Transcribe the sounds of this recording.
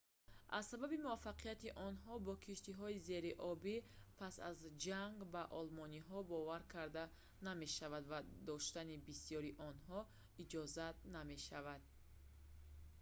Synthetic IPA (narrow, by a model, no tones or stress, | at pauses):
ʔa̰zsababimuafːaqijat̪iʔɔnɦɔbɔkʰiʃt̪iɦɔize̞ɾiʔɔbipʰasa̰zd͡ʒaŋɡvaʔɔlmɔniɦɔbɔvaɾkʰaɾd̪a | name̞ʃavad̪vad̪ɔʃt̪anibisijɔɾiʔɔnɦɔ | id͡ʒɔzat̪̚name̞ʃavad̪̥̚